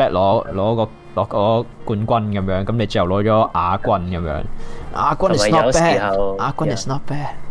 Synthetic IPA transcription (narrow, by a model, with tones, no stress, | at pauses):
ɛː˥t̚lɔː˨˥lɔː˨˧˥kɔː˧ | lɔː˨˧˥kɔː˧˥kuː˧nkʷɐ˥nkɐ˨˦mjœː˨˥ŋkɐ˨˦mnle˨˧jt͡ʃjwlɔː˨˥t͡ʃɔː˨˥ʔaː˨˧kʷɐ˥nkɐ˨˦mjœ̰ː˨˥ŋʔa̰ː˨˧kʷɐ˥nnɪ˨snɔ˥pɛː˥ʔaː˨˧kʷɐ˥nɪ˨snɔ˥t̚pɛː˥t̚